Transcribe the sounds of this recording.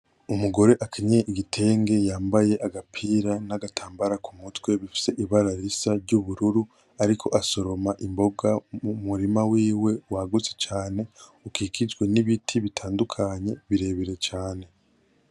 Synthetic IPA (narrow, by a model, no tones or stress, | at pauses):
umuɡo̞ɾe̞ʔakʰiɲeʔiɡitʰe̞ːŋɡe̞jaːmbaje̞ʔaɡapʰiːɾanaɡatʰaːmbaɾakʰumutwe̞βifi̥se̞ʔiβaɾaɾisaɾɟuβuɾuɾu | aɾikʰo̞̰ʔaso̞ɾo̞maʔimbo̞ɡamumuɾimawiːwe̞waɡut͡se̥t͡ʃaːne̞ukikid͡ʒɡwe̞niβitʰiβitʰaːndukʰaɲe̞βiɾe̞βiɾe̞t͡ʃaːne̞